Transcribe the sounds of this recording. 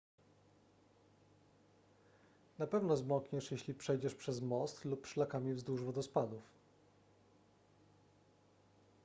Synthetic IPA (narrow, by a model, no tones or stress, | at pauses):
napɛvnɔzmɔkɲɛʂjeɕlʲipʂɛjd͡ʑɛʂpʂɛzmɔst̪lupʂlakamʲivzd̪wuʐbɔd̪ɔspad̪uf